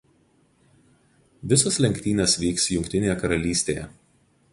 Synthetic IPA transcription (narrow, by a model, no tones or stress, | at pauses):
ʋʲɪsoslʲɛŋʲkʲt̪ʲiːnʲɐsʋʲiːksjʊŋʲkt̪ʲɪnʲeːjɛkɐɾɐlʲiːsʲt̪ʲejɛ̰